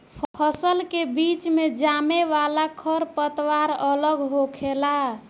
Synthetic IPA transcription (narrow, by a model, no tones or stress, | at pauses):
pʰpʰəsəlkebit͡ʃmed͡ʒameʋalakʰəɾpət̪waɾələɡɦokʰela